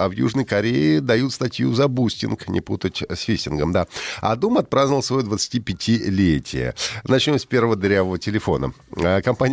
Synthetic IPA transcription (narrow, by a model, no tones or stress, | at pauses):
avjṵʐnəjkɐɾʲeɪd̪ɐjut̪st̪ɐtʲjuzɐbusʲtʲɪnknʲʔɪ̰put̪ətʲsʲfʲisʲɪnɡəmd̪aɐ̰d̪umɐt̪̚pɾaznəlˠsvɐjod̪vət̪sɨ̥tʲipʲɪtʲɪlʲetʲʰɪ̰jə̰nɐt͡ɕnʲo̞msʲpʲe̞rvəvəd̪ɾʲavəvətʲɪlʲɪfo̞̰nə̰kɐmpanʲ